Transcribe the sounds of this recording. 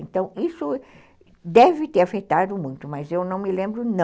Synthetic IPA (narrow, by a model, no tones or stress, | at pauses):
ẽnt̪ɐ̃w̃isʊ | d̪ɛvɪt̪eɾafet̪ad̪ʊmũj̃t̪ʊmɐzewnɐ̃w̃mɪlẽmbɾʊnɐ̃